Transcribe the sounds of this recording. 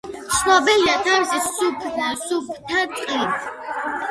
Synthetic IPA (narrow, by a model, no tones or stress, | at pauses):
ʃnɔbɛjat̪ʰaɾzɛsupʰlasupʰt̪ʰat̪ʼqʼit̪